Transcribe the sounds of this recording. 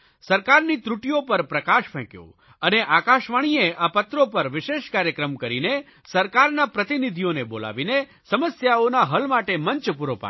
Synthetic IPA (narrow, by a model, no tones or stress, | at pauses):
səɾkaɾnit̪ɾuʈijopəɾpɾəkaʃpʰɛ̃kjo̰ | əneʔakaʃʋaɽ̃ieʔapət̪ɾopəɾʋɪʃeʃkaɾjəkɾəmkəɾine | səɾkaɾnapɾət̪inid̪ʱijonebola̰ʋine | səməsjaonaɦəlmaʈeməɲt͡ʃpuɾopa̰